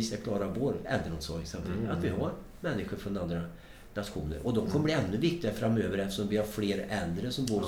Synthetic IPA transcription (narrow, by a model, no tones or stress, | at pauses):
iːsaɾkʰlɑːɾavoːɾɛ̰ld̪ɾəmːt̪sɑːɡsɛmt̪ɪ̰a̰t̪vɪhaɾ | mɛnːɪɧʊɾfɾɔnand̪ɾa | nat̪ɧuːnə̰ɾʔɔd̪ɔmkʰɔməbliːɛnːɵvɪk̚t̪ɪɡafɾamːøːvəɾɛft̪ə̥ʂɔmvɪhaɾfleːɾɛld̪ɾəsɔmbuːɾ